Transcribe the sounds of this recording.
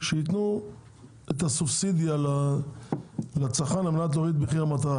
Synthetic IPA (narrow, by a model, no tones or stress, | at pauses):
ʃeit̪nu | et̪asufsid̪ijala | lat͡saχanlamenat̪̬loit̪̚beχiʁamat̪aʁa